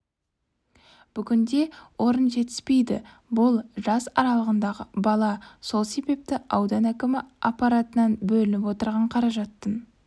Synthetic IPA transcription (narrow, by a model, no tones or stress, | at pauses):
b̥ʏɡʲɪnd̪e̞wʔo̞ɾənʒe̞t̪ɪ̥spe̞jd̪ɪ | bʊlˠʒɑsɑ̰ɾɑlˠəʁənd̪ɑʁəbɑlˠɑso̞lˠse̞be̞p̚t̪ɪʔɑwd̪ɑnækʲɪmɪɑpːɑɾat̪ənɑnbɵlɪnɪpwo̞t̪əɾʁɑɴqʰɑɾɑʒɑt̪ːən